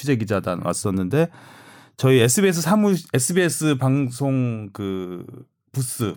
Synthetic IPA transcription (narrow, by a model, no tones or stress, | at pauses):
id͡ʑe̞ɡid͡ʑada̰wa̰s͈ʌnːɯnde̞ | t͡ɕʌiesʰɯbie̞s̬ʰɯsʰamue̞sʰɯbies͈ʰɯpaŋsʰoŋkɯ | pus͈ɯ